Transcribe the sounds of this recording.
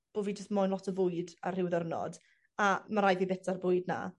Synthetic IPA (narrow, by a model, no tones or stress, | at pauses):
b̥oːviːd͡ʒəstmɔːjnlˠɔtʰəvʊɨdar̥ɪwðəɾnɔ̰d | amaɾajvibɛtʰarbʊɨdna̰